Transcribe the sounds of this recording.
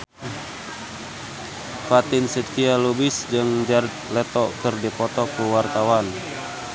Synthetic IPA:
fat̪ɪnsədkialubɪsd͡ʒɨŋd͡ʒart̪̚lɛt̪ɔkɨrdipɔt̪ɔkuwart̪awan

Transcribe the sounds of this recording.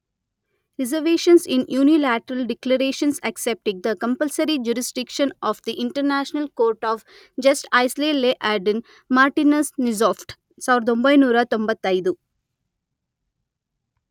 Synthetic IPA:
ɾizɐɾʋeːʃɐnsĩnjuːnilæːʈɐɾɐlɖiklɐɾeːʃɐnsɐksep̚ʈiɡ̚d̪ɐkɐ̃mpɐlsɐɾid͡ʒuɾisɖikʃɐ̃nɔːfd̪iʔiɳʈɐɾnæːʃnɐlkoːɾʈɔːʋ | d͡ʒɐsʈajsleleːʔaːɾɖɐ̃n | maːɾʈinɐsnizɔːfʈ | saːʋɾɐd̪ombɐjnuːɾɐt̪õmbɐt̪ːɐjd̪u

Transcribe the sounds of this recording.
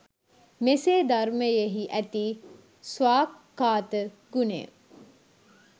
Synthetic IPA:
meseːd̪aɾməjeɦiʔæt̪iː | sʋaːkːaːt̪ə | ɡ̥unḛ

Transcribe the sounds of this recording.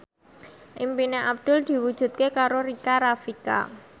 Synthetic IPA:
ʔimpineʔab̚d̪̥ʊ̤ld̪̥i̤wud̥ʒ̥ṳt̪̚kekaɾoɾikaɾafika̰

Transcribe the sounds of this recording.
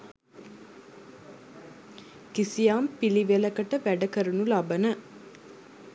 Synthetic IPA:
kisijaːmpiliʋelɐkɐʈəʋæɖɐkəɾunulabɐnə

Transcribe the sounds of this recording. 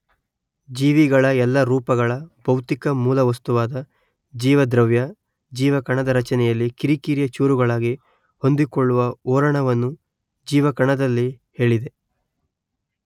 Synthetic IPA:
d͡ʒiːʋiɡɐɭɐɛlːɐɾuːpɐɡɐɭɐb̥ʱɐwt̪ikɐmuːlɐʋɐst̪uʋaːd̪ɐ | d͡ʒiːʋɐd̪ɾɐʋjɐ | d͡ʒiːʋɐkɐɳɐd̪ɐɾɐt͡ʃɐnɛjɐlːikiɾikiːɾjɐt͡ʃuːɾuɡɐɭaːɡi | ho̞nd̪ikoɭːuʋɐɔːɾɐɳɐʋɐnːu | d͡ʒiːʋɐkɐɳɐd̪ɐlːi | he̞ːɭid̪e̞

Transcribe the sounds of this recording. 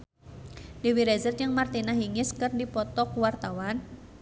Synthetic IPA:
d̥ewiɾezərɲəŋmart̪inaɦiŋɪskɨrdipɔt̪ɔkuwart̪awan

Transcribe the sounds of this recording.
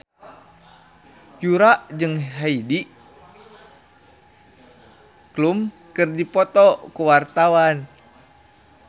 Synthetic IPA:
juɾaʔd͡ʒɨŋɦaidiʔ | klum | kɨrdipɔt̪ɔkuwart̪awan

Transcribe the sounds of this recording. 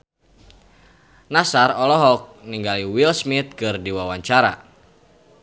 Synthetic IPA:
nasarɔlɔɦɔk̚niŋɡaliwilsmit̪̚kɨrdiwawaɲt͡ʃaɾa̰

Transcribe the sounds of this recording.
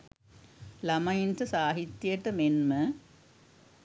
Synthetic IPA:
lɐmɐjintɨsaːɦit̪ːjeʈːɨmenmɨ

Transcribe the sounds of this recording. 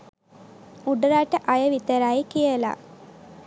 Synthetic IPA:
uɖəɾaːʈəʔajɐʋit̪əɾajikijəla̰

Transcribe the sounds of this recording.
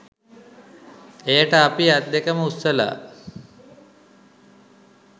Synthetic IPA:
ejəʈəapiat̪̚d̪ekəməusːəla̰ː

